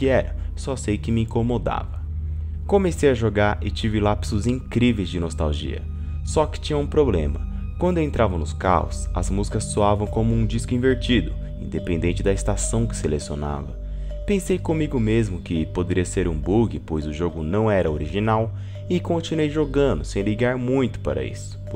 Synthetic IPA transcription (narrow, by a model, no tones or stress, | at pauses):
kɪɛɾɐsɔsejkɪmɪĩkomod̪a̰vɐ | komesejɐʒoɡaɾɪ̰t͡ʃivɪlapsʊzĩŋkɾivejzd͡ʒɪnost̪a̰wʒḭɐ̰ | sɔkɪ̥t͡ʃĩɲɐũpɾoblḛ̃mɐ | kwɐ̃nd̪ʊẽnt̪ɾavɐ̃nʊska̰ʊ̰sɐ̰zmuzikɐsːoavɐ̃w̃kõmʊũd͡ʒiskʊĩveɾt͡ʃid̪ʊ | ĩnd̪epẽd̪ẽt͡ʃɪd̪ɐɪst̪asɐ̃w̃kɪ̥selesio̰na̰vɐ | pẽsejkõmiɡʊmezmʊkɪpod̪eɾiɐseɾũbuɡɪpojzʊʒoɡʊnɐ̃w̃ɛɾɐoɾiʒinaw | ɪkõnt͡ʃinuwejʒoɡɐ̃nd̪ʊsẽj̃liɡaɾmũj̃t̪ʊ̥paɾɐ̰ḭsʊ̥